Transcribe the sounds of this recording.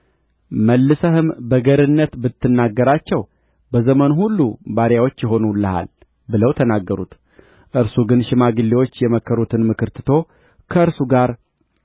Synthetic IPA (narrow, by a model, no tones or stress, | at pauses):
məlːɨsəhɨmbəɡəɾɨnːət̪bɨt̪ːɨnːaɡːəɾat͡ʃːɛw | bəzəmənhulːubaɾjawot͡ʃːjɪɦo̞nulːəha̰l | bɨləwt̪ʰənaɡːəɾṵt̪ | ʔɨɾsuɡɨnʃɪmaɡɨlːewot͡ʃːjɛməkʰːəɾut̪ʰɨnmɨkɨɾt̪ʰɨt̪ʰo̞ | kʰəɨɾsuɡaɾ